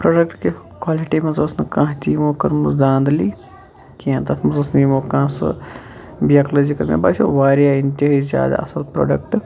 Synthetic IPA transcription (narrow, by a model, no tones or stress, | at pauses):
pɾoːɖɐkʈke | kwaːliʈimɐzlɐsnɐkãːt̪ʲiːmoːkɐɾmuzd̪ãːnd̪liː | kiãnt̪ɐt̪ʰmɐzɐsniːmoːkãːsɨ̰ | bijaːkloːd͡ʒikɐmḛbaʃoʋaːɾjaːint̪iɦizʲja̰ːd̪a̰ːɐsɐlpɾo̰ːɖɐkʈ